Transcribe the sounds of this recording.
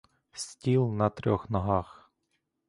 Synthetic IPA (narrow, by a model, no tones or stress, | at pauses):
sʲtʲilˠnɐt̪ɾʲɔxnɔɦɑx